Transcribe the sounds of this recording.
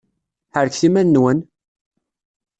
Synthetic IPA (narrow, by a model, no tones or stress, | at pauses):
ħəɾkθimænːwən